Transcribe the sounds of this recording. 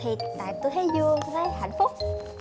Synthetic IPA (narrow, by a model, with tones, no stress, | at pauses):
i˨˩ət̚t̪a̰ː˧˨jt̪o˧jɦe˨˦zuɨ˧əvaː˧˥˦jha̰˧˩jŋ̟fʊ˦˥k͡p̚